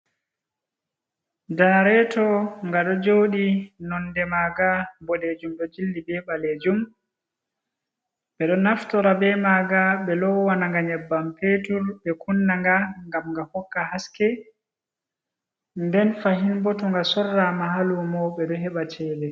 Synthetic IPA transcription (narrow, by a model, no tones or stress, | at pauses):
danaɾɛtɔŋɡaɗɔd͡ʒoːɗinɔnːdɛmaːɡabɔɗed͡ʒumɗɔd͡ʒildibɛɓaled͡ʒum | ɓɛɗɔnaftɔɾabɛmaɡaɓɛlɔwanaŋɡaɲɛbːampetulɓɛkʰunːaŋɡaŋɡamŋɡahɔkːahaskɛ | ndɛnfaɦinbɔtuŋɡasɔrːamaɦalumɔɓɛɗɔɦɛɓat͡ʃɛːbɛ